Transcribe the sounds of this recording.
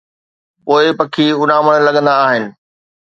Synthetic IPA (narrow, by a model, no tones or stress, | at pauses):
poːɪpɐkʰiʊnãːməɽ̃lɐɠə̃nd̪aːɦɪnɪ̆